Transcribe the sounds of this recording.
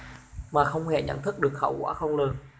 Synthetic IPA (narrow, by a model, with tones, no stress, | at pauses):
maː˨˩xə˧wŋ͡mhɛ˧˩ɲə̰˧˩nt̪ʰɨ˦˥k̚ɗɨ˨˩ək̚xə̰˧˩wkwaː˧˥xə˧wŋ͡mlɨ˨˩n